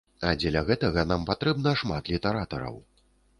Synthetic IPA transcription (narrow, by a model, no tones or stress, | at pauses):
ad͡zʲɛlʲɐɣɛt̪ɐɣɐnampat̪ɾɛbnɐʂmat̪lʲit̪ɛɾat̪ɐɾɐ̰w